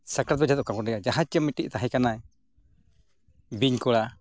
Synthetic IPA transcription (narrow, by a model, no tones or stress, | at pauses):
sakɾat̪̚bɛd͡ʒat̪ɔkakɔɛjad͡ʒaɦãt͡ʃt͡ʃəmːiʈiʔ̚t̪aɦɛ̃kanaj | biɲkɔɽa